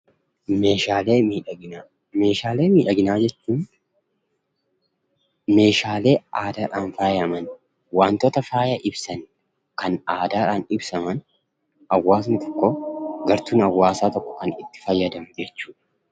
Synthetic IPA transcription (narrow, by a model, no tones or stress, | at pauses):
me̞ːʃaːleːmiːᶑɐɡɪnaː | me̞ːʃaːle̞ːmiːᶑɐɡɪnaːd͡ʒɛt͡ʃːuːn | me̞ːʃaːle̞ːʔaːd̪aːᶑaːnfaːjɐmɐn | waːnt̪oːt̪ɐfaːjɐʔɪbsɐn | kɐnaːd̪aːᶑaːnɪbsɐmɐn | ɐwːaːs̬nɪt̪ɔ̥kːoɡɐɾt̪uːnɐwːaːsaːt̪ɔkːɔ̥kɐnɪt̪ːɪ̥fɐjːɐd̪ɐmd͡ʒɛt͡ʃːuːᶑ